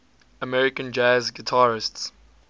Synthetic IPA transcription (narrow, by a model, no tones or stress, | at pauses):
əmɛɹɪkə̃nd͡ʒazɡitʰaːɹɪsts